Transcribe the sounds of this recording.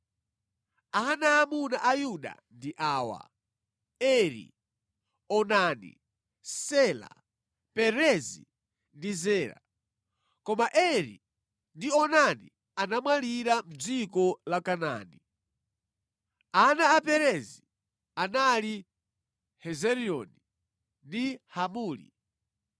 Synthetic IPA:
anaːmunaʔajuɗa̰ndiʔaːwa̰ | ɛɾḭ | ɔnanḭ | sɛːla̰ | pɛɾɛzḭ | ndizɛːɾa̰ | kɔmaʔɛɾḭ | ndiɔnanḭ | anamwaliɾam̩d͡zikɔlakana̰ni | anaːpɛɾɛzi | anali | hɛzɛɾiɔni | ndihamuːlḭ

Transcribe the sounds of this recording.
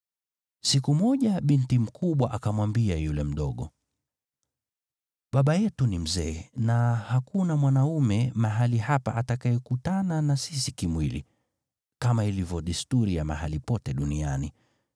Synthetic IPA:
sikumɔʄaɓintim̩kʰuɓwaʔakamwambiajulɛm̩ɗɔɠɔ | ɓaɓajɛtunim̩zɛːnahakunamwanaumɛmaɦalihapa̰ʔatakaɛkutananasis̬ikimwilḭ | kamailivjɔɗistuɾijama̰halipɔtɛɗunia̰ni

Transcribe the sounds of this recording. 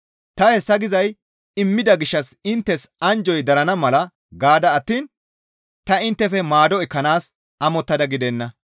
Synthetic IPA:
t̪ɐhɛsːɐɡɪzɐj | ɪmːɪd̪ɐɡɪʃːɐsɪnt̪ːɛsɐnd͡ʒɔjd̪ɐɾɐnɐmɐlɐ | ɡaːd̪ɐːt̪ːiːn | t̪ɐɪnt̪ːɛfɛmaːd̪ɔɛkːɐnaːs | ɐmɔt̪ːɐd̪ɐɡɪd̪ɛnːɐ

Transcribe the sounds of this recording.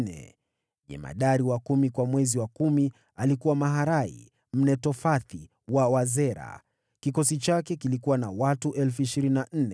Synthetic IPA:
nɛ̰ | ʄɛ̰ma̰ɗaɾiwakumikwamwɛziwakumi | alikuwamaɦaɾaḭ | m̩nɛtɔfaθi | wawazɛɾa̰ | kikɔsit͡ʃakɛkilikuwanawatuʔɛlfuiʃiɾininan̩nɛ

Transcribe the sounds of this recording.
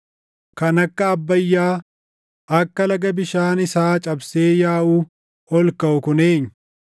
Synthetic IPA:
kɐnɐkːɐːbːɐjːaː | ɐkːɐlɐɡɐbɪʃaːnɪsaːt͡ʃʼɐbseːjaːʔuː | ɔlkɐʊkʊneːɲ

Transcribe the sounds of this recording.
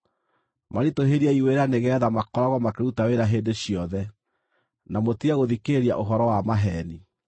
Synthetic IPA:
maɾitoɦeɾiaiweɾaneɣɛːðamakɔɾaɣwɔmakeɾutaweɾaɦedeɕiɔðɛ | namotiaɣoðikeɾia̰ʔoɦɔɾɔwamaɦɛni

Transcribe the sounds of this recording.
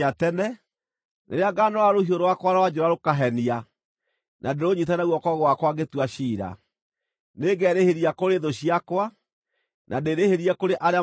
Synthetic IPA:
atɛnɛ | nḛɾeaɡanɔwaɾoɦioɾowakwaɾawad͡ʒɛɾaɾokaɦɛnia | nʔadeɾoɲit̬anaɣwɔkɔɣwakwaɣetwaɕiːɾa̰ | neɡɛɾeheɾiakoɾeðoɕiakwa | nʔadeɾeheɾiɛkoɾeʔaɾea

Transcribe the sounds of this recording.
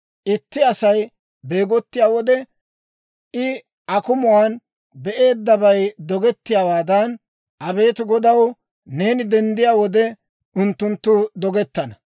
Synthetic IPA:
ʔɪt̪ːɪɐsɐj | be̞ːɡɔt̪ːɪjaːwɔd̪ɛ | ʔɪ | ʔɐkʊmʊwaːn | bɛʔe̞ːd̪ːɐbɐjd̪ɔɡɛt̪ːɪjaːwaːd̪ɐn | ʔɐbe̞ːt̪ɪɡɔd̪ɐw | ne̞ːnɪd̪ɛnd̪ɪjaːwɔd̪ɛ | ʔʊnt̪ːʊnt̪ːʊd̪ɔɡɛt̪ːɐnɐ

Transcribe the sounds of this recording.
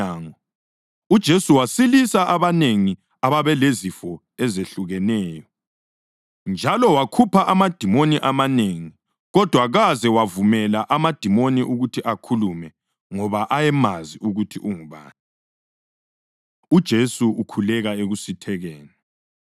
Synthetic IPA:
aːŋɔ | ud̥ʒ̥ʱesuwasilisaʔaβaneŋi | aβaβɛlezifɔ | ɛzeɬuɣɛnɛːjɔ | nd͡ʒʱalɔwakʰupʰaʔamad̥ʱimoniʔamaneŋi | ɣɔd̥ʱwaɣazɛwavumɛlaʔamad̥ʱimoniʔuɣutʰiʔakʰulumɛ | ŋɔβaʔajɛmaziʔuɣutʰiʔuŋuβa̰ːni | ud̥ʒ̥ʱesuukʰulɛɣaeɣusitʰɛɣɛːnɛ

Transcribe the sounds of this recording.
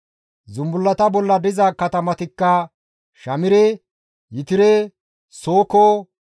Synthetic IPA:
zʊmbʊlːɐt̪ɐbɔlːɐd̪ɪzɐkɐt̪ɐmɐt̪ɪkːɐ | ʃɐmɪɾɛ | jɪt̪ɪɾɛ | soːko

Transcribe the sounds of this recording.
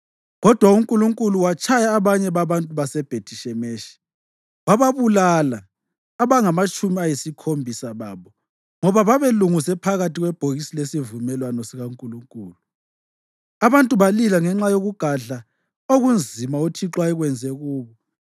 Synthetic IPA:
ɣɔd̥ʱwauŋkʼuluŋkʼuluwat͡ʃʰʼajaːβaɲɛβaβantʼuβasɛb̥ʱetʰiʃɛmeːʃi̥ | waβaβulalaː | βaŋamat͡ʃʼumiajisikʰombʱisaβaβɔ | ŋɔβaβaβeluŋusɛpʰaɣatʰiɣwɛb̥ʱoɣisilesivumɛlwanɔsiɣauŋkʼuluŋkʼuːluu | aβantʼuβalilaŋɛŋ͡ǁajoɣuɡ̥ʱaɮa | oɣund͡zʱimautʰiǁwaiɣwɛnd͡zʱɛɣuːβɔ

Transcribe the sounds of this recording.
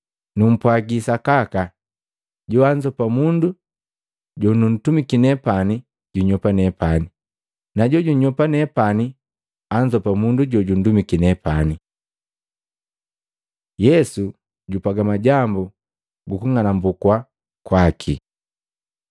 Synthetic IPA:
num̩pwaɡisakaka | ɟɔaɲd͡ʒɔpamundu | ɟɔnun̩tumikinɛpani | ɟuɲɔpanɛpani | naɟɔɟuɲɔpanɛpani | aɲd͡ʒɔpamunduɟɔɟun̩dumikinɛpani | jɛsu | ɟupaɡamaɟambu | ɡukuŋanambukwa | kwakʰḭ

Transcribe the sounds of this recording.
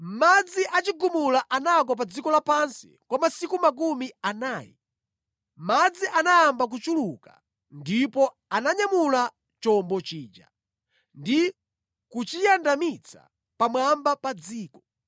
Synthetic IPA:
m̩mad͡ziʔat͡ʃiɡumulaʔanak̬wap̬ad͡zikɔlapansi̥kwamasikumak̬umianaːjḭ | mad͡ziʔanajambak̬ut͡ʃuluka | ndipɔ | anaɲamula | t͡ʃɔmbɔt͡ʃiːd͡ʒa̰ | ndi | kut͡ʃijandamit͡sʰa̰ | pamwambapad͡ziːkɔ̥

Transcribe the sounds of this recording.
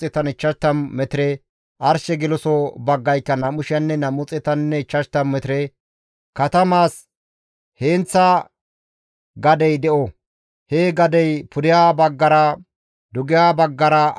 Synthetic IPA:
ɪt̪ɐnɪt͡ʃːɐʃt̪ːɐnːɛt̪ɪɾɛ | ʔɐɾʃɛɡɪlɔsɔbɐɡːɐjkːɐnɐmʊʃɪɐnːɛnɐmʊt͡sʼːɪt̪ɐnːɛɪt͡ʃːɐʃt̪ɐmmɛt̪ɪɾɛ | kɐt̪ɐmaːs | heːnt͡sːɐ | ɡɐd̪ɛjd̪ɛʔɔ | heɡɐd̪ɛjpʰʊd̪ɪjaːbɐɡːɐɾɐ | d̪ʊɡɪjaːbɐɡːɐɾɐ

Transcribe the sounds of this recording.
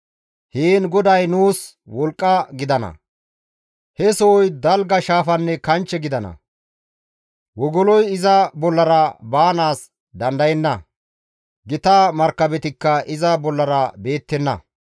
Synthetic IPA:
heːnɡɔd̪ɐjnuːs | wɔlkʼːɐɡɪd̪ɐnɐ̰ | hɛsɔɔjd̪ɐlɡɐʃaːfɐnːɛkɐnt͡ʃːɛɡɪd̪ɐnɐ̰ | wɔɡɔlɔjɪzɐbɔlːɐɾɐbaːnaːs | d̪ɐnd̪ɐjɛnːɐ | ɡɪt̪aːmɐɾkːɐbɛt̪ɪkːɐʔɪzɐbɔlːɐɾɐbe̞ːt̪ːɛnːɐ̰

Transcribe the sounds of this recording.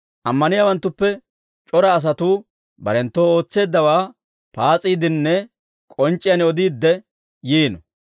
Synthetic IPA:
ʔɐmːɐnɪjaːwɐnt̪ːʊpːɛ | t͡ʃʼɔɾɐːs̬ɐt̪uː | bɐɾɛnt̪ːo̞ːo̞ːt͡sːe̞ːd̪ːɐwaː | paːt͡sʼiːd̪ɪnːɛ | kʼɔnt͡ʃʼːɪjɐnɔd̪iːd̪ːɛ | jiːnɔ

